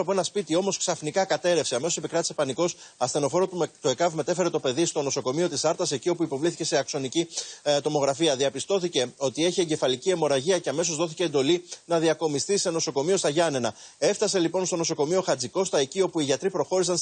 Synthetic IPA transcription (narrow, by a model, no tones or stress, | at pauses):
ɐpoe̞nɐspit̪io̞mo̞sksɐfnikɐkɐt̪e̞ɾe̞fseɐme̞so̞sipikɾɐt̪ise̞pɐniko̞sɐst̪e̞no̞fo̞ɾot̪t̪ue̞kɐvme̞t̪e̞fe̞ɾe̞t̪o̞pe̞ðist̪o̞no̞so̞ko̞mio̞t̪isɐɾt̪ɐse̞cio̞puipo̞vliθice̞se̞ɐkso̞nicit̪o̞mo̞ɣɾɐfiɐðiɐpist̪o̞θice̞o̞t̪ie̞çieɲɟe̞fɐlicie̞mo̞ɾɐʝiɐce̞ɐme̞so̞zðo̞θice̞ːnd̪o̞linɐðiɐko̞mist̪ise̞no̞so̞ko̞mio̞st̪ɐʝɐne̞nɐe̞ft̪ɐse̞lipo̞nst̪o̞no̞so̞ko̞mio̞xɐd͡ziko̞st̪ɐecio̞puiʝɐt̪ɾipɾo̞xo̞ɾisɐn